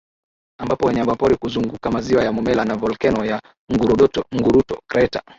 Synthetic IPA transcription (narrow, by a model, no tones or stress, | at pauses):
ambapɔwɛɲambapɔɾikuzuŋɡukamaziwajamɔmɛlanavɔlkɛnɔja | ŋɡuɾuɗɔtɔŋɡuɾutɔ̰kɾɛta̰